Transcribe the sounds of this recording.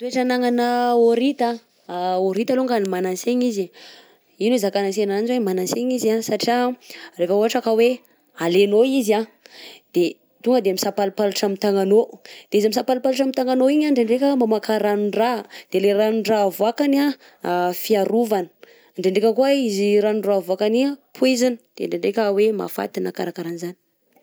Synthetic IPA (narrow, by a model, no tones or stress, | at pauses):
t̪ueʈ͡ʂanaŋanəoɾit̪a | oɾit̪aloŋɡanimananseɲizi | inuezakanasenanzwemanaseɲizasaʈ͡ʂiarefəuɦaʈ͡ʂakəwe | alenoizad̪̥e | t̪uŋɡəd̪eamisapalupaluʈ͡ʂamit̪aŋanod̪̥eizamisapalupaluʈ͡ʂamit̪aŋanoiɲaɳɖ͡ʐeɳɖ͡ʐekʲəmamakaɾanuɳɖ͡ʐad̪̥eleɾanuɳɖ͡ʐavuakana | fiaɾuvanə̥ | ɳɖ͡ʐeɳɖ͡ʐekʲəkuaiziɾanuɳɖ͡ʐavuakaniapʰuezini̥d̪̥eɳɖ͡ʐeɳɖ͡ʐekʲəwema̰fa̰t̪inakaɾakaɾanizani̥